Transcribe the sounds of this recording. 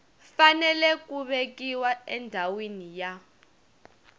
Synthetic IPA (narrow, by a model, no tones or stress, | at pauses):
fanɛlɛkuɓek̬iwaɛndʱawinija